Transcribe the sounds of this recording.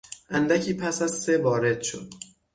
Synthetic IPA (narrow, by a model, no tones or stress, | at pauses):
ʔænd̪æcʰiːpʰæsæzsevɒːɾe̞d̪̥ʃo̰d̪̥